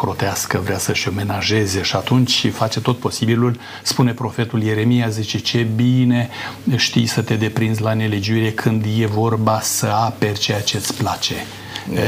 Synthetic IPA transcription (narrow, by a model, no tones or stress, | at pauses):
kɾo̞t̪easkəvɾeasəʃʲo̞me̞naʒe̞ze̞ʃiat̪unt͡ʃʲfat͡ʃe̞t̪o̞t̪̚po̞sibilul | spune̞pɾo̞fe̞t̪ulje̞ɾe̞mijazit͡ʃe̞t͡ʃe̞bine̞ʃt̪ḭjsət̪e̞d̪e̞pɾinzlane̞le̞d͡ʒuiɾe̞kʰɨnd̪je̞vo̞rbasəape̞rt͡ʃe̞jat͡ʃe̞t̪sʲplat͡ʃe̞